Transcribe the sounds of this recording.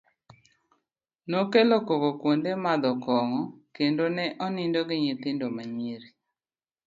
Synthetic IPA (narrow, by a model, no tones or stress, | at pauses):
nokelokokokwondemad̪ɔkɔŋɔkendonɛʔɔnɪndoɡɪɲɪt̪ɪndomaɲjeɾi